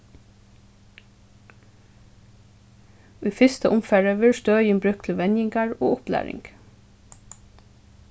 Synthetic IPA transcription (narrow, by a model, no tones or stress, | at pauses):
ʉːfɪst̪əʔʊmfɛɹəʋɪɹst̪œːjənbɹʉkt̪ʰləʋɛnjɪŋɡɑɹo̰ːʊplæ̰ːɹɪ̰ŋɡ